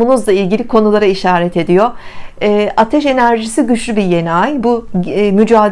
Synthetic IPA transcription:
unuzlˠailʲɟilʲikʰo̞nulˠaɾaiʃaːɾɛt̪ʰe̞d̪ijo̞ː | ʔat̪ʰɛʃe̞næɾʒisiɟyʃlʲybije̞najbumyd͡ʒaːd̪

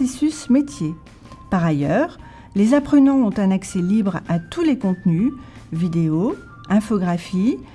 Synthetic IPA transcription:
esysmet̪je | paʁajœʁ | lezapχənɑ̃ɔ̃t̪ɛ̃naksɛlibʁat̪ulekɔ̃t̪nyvid̪eo | ɛ̃fɔɡʁafi

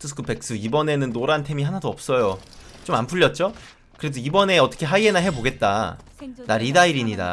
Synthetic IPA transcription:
tʰɯs̬ʰɯ̥kʰɯpe̞k̚s͈ɯibʌne̞nɯnːoɾantʰe̞miɦanadoʌp̚s͈ʌjot͡ɕomanpʰuʎːʌt̚t͡ɕ͈o | kɯɾe̞doibʌne̞ʌt͈ʌkʰe̞ɦaie̞naɦe̞boɡe̞t̚t͈a̰naɾidaiɾiɲida̰

